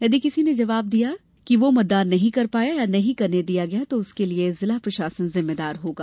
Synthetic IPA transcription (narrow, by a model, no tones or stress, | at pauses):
jɐd̪ikɪsined͡ʒɐʋaːb̚d̪ija | kiʋomʊt̪̚d̪aːɾnɐɦĩkɐɾpaːjajanɐɦĩkɐɾned̪ijaɡɐjat̪oʊskeliezɪlapɾɐʃaːsənzɪmːed̪aːɾɦoːɡaː